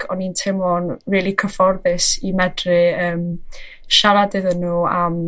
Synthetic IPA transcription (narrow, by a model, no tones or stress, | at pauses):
ɔnintʰɪmlɔnviːlˠikʰəfɔrðɨsimɛdrɨəːm | ʃaɾadɨðənːuːam